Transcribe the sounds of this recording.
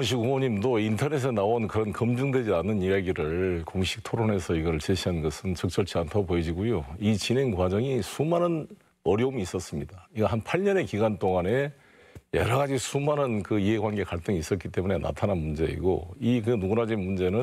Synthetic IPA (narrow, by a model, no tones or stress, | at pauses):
oŋɕ̬ʰiɡumoɲimdointʰʌne̞s̬ʰenaonkɯɾʌnkʌmd͡ʑuŋdwe̞d͡ʑianːɯnijaɡiɾɯɭkoŋɕʰi̥k̚tʰoɾone̞sʰʌiɡʌɾɯɭt͡ɕiɕʰiannɡʌsʰɯnt͡ɕʌk̚t͡ɕ͈ʌɭt͡ɕʰiantʰʌpoed͡ʑiɡojoit͡ɕine̞ŋkwad͡ʑʌŋisʰumanɯn | ʌɾjʌumiːs͈ʌs͈ɯmɲidaiɡʌɦanpʰaɭɲʌne̞kiɡwant͈oŋane̞ | jʌɾʌɣad͡ʑisʰumanɯnkɯie̞ɡwanɡe̞kaɭt͈ɯŋiis͈ʌt̚k͈it͈e̞mune̞na̰tʰananmund͡ʑe̞ḭɡo̰iknuɡunad͡ʑinmund͡ʑe̞nɯ